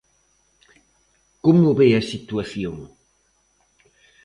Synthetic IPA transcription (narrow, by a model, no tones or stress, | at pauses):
komʊβeɐsit̪uɐθjoŋ